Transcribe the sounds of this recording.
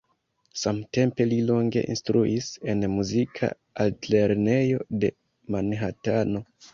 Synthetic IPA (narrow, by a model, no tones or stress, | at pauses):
samte̞mpe̞lilo̞ŋɡe̞̰ʔḭnstɾuʔise̞nmuzikʰa̰ | altle̞ɾne̞jo̞de̞ | manɦatano̞